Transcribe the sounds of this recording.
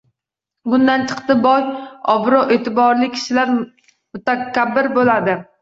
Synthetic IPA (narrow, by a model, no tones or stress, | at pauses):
bʊnd̪ant͡ʃʰɨ̥qt̪ɪbɒjɒbɾoʔeːt̪ʰɪbɒɾlɪkʲʰɪ̥ʃɪlaɾ | mʊt̪akʲʰabːɪɾbolad̪ɪ